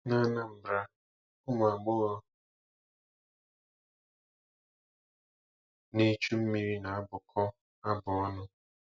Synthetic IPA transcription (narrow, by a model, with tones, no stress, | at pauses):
na˦na˦m̩˨bɾa˦ | ʊ˦m˨a˨ɡ͡bʊ˦ɣɔ˦ | ni˦t͡ʃu˦m̩˦mi˨ɾi˦na˨a˦bʊ˨kʰɔ˦ | a˦bʊ˨ɔ˦nʊ˦